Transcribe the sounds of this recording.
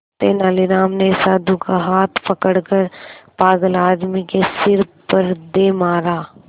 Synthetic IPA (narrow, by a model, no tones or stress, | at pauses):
t̪eːnaːliɾaːmnesaːd̪ukaɦaːt̪ʰpɐkəɽkəɾpaːɡəlaːd̪mikesɪɾpəɾd̪emaːɾaː